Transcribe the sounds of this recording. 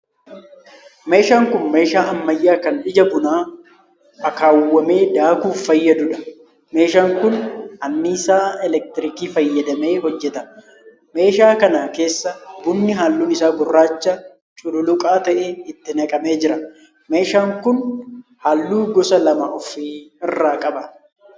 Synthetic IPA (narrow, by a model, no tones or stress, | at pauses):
me̞ːʃaːŋkʊnme̞ːʃaːʔɐmːɐjːaːkɐnᶑɪd͡ʒɐbʊnaː | ɐkaːwːɐme̞ːd̪aːkuːɐjːɐd̪ʊᶑɐ̥ | me̞ːʃaːŋkʊnʔɐnːɪɪsaːɛlɛk̚t̪ɪɾɪkiːfɐjːɐd̪ɐme̞ːhɔd͡ʒːɛt̪ɐ̥ | me̞ːʃaːkɐnaːke̞ːsːɐbʊnːɪɦaːlːuːnɪsaːɡʊrːaːt͡ʃːɐ | t͡ʃʼʊlʊlʊkʼaːt̪ɐʔɛɪt̪ːɪnɐkʼɐme̞ːd͡ʒɪɾɐ | me̞ːʃaːŋkʊnhaːlːuːɡɔsɐlɐmɐʔɔfiːɪrːaːkʼɐbɐ